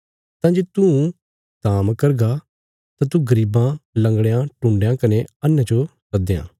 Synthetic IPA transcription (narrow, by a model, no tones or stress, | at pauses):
t̪ãːd͡ʒeːt̪ũ | t̪aːmkɐɾɡa | t̪ãt̪̬ũɡɐɾiːbãlɐ̃ŋɡɽejãʈũːɳɖejãkɐneɐnːat͡ʃo | ɾɐd̪ejã̰ː